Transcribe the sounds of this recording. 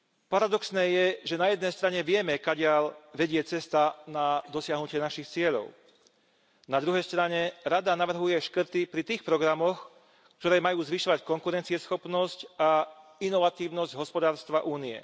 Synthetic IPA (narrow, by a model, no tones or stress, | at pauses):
paɾad̪ɔksnɛːjɛʒɛnajɛd̪nɛjst̪ɾaɲɛʋɪɛmɛkaɟɪaʎʋɛɟɪɛt͡sɛst̪anad̪ɔsɪaɦnucɪɛnaʃixt͡sɪɛʎɔ̰ʊ | nad̪ɾuɦɛjst̪ɾaɲɛɾad̪anaʋr̩ɦujɛʃkr̩t̪ipɾit̪iːxpɾɔɡɾamɔx | kt̪ɔɾɛːmajuːzʋiʃɔʋackɔŋkuɾɛnt͡siɛsxɔpnɔscainɔʋat̪iːʊnɔzɟɦɔspɔd̪aːɾst̪ʋaʔuːniɛ̰